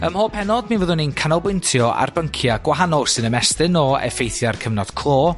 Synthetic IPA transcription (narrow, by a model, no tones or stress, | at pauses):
əmhoːpʰɛnɔdminvəːðʊninkʰanɔbwɪntʰjɔa̰rbəŋkʰjaɡ̥waɦanɔlˠsɨnəmɛstɨnɔɛ̰fejθjarkʰəvnɔd̥kʰlˠoː